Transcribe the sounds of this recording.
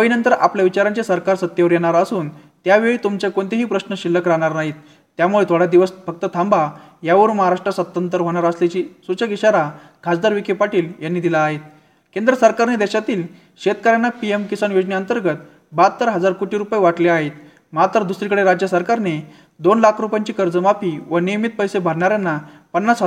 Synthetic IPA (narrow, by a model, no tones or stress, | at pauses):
əʋinənt̪əɾapljaʋit͡ɕaɾant͡ɕesəɾkaɾsət̪jəʋɾjeɽ̃aɾəsuːnt̪jaʋeɭiːt̪umt͡ɕjakoɳt̪eɦiːpɾəɕnəɕilːəkəɾaɽ̃aɾnaɦiːt̪ː | jamuɭet̪ʰoɽjad̪iʋəsfək̚t̪ət̪ʰãmbajaʋəɾməɦaɾaʂʈɾəsət̪ːənt̪əɾɦoɽ̃aɾəslet͡ɕisut͡ɕəkiɕaɾa | ɡʰʱad͡zd̪aɾʋikʰepaʈiːljanːid̪ilaːɦet̪̚ | kend̪ɾəsəɾkaɾned̪eɕat̪iːl | ɕet̪̚kəɾjanːapiemkisanjod͡ʑniənt̪əɾɡət̪ | bat̪ːəɾɦəd͡zaɾkoʈiɾupajʋaʈleaɦet̪ | mat̪əɾd̪usɾikəɽeɾad͡ʑjəsəɾkaɾne | d̪onlakʰɾupjaɲt͡ɕiːkəɾd͡zəmapiʋənijmit̪̚pəjsebʱaɾɳaɾjanːapənːat͡sɦa